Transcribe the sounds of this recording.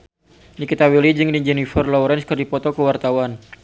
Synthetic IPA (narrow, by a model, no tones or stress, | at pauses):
nikit̪awilid͡ʒɨŋdid͡ʒɛnifərlɔɾɛnskərdipɔt̪ɔkəwart̪awan